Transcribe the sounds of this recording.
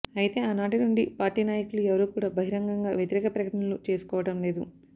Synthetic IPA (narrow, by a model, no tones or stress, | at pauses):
ɐjit̪e̞ːaːnaːʈinuɳɖipaːɾʈiːnaːjɐkuluɛʋɐɾuːkuːɽaːbʱɐɦiɾɐŋɡɐŋɡaːʋjɐt̪iɾɛːkɐpɾɐkɐʈɐɳɐlut͡ʃe̞ːsu̥kɔːʋɐʈɐmle̞ːd̪ṵ